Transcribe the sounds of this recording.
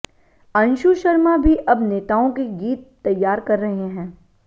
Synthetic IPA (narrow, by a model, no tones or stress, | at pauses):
ɐ̃nʃuʃɐɾmabʱiʔɐbneːt̪aːõkiɡiːt̪ːɐjːaːɾkɐɾːɐɦeɦɛ̃ː